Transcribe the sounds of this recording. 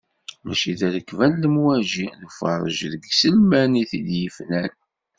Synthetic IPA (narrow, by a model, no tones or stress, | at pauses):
mæ̰ʃiðæɾəkːvænləmwæʒiðəfə̰ɾˤə̰ʒðəɡsəlmæniθiljəfnæn